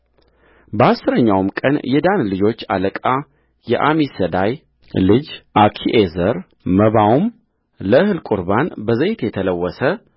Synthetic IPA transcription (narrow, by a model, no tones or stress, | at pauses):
bəasːɨɾəɲːawmkʼə̰njɛd̪anlɨd͡ʒo̞t͡ʃːa̰ləkʼa | jɛʔamisəd̪aj | lɨd͡ʒʔakʰiʔezəɾ | məβawum | ləɨhɨlkʼuɾbanbəzəjt̪jɛt̪ʰələwːəsə